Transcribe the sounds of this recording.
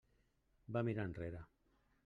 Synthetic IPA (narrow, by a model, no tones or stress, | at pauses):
bamiɾanreɾa